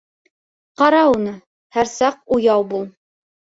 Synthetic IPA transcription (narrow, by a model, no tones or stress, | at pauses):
qɑɾɑunɤ | hæɾsɑq̚ujɑwbulˠ